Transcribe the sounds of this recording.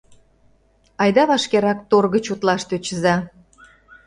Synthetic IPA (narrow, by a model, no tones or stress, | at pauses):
ɑjd̪ɑβɑʃkeɾɑk̚t̪orɣət͡ɕut̪lɑʃt̪øt͡ɕəzɑ